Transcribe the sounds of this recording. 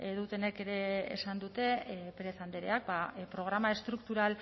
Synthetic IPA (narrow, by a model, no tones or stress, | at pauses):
eðut̪e̞ne̞ke̞ɾe̞ḛːsand̪ut̪e̞peɾe̞θand̪eɾe̞̰ak̚bapɾo̞ɣ̞ɾamae̞st̪ɾukt̪uɾal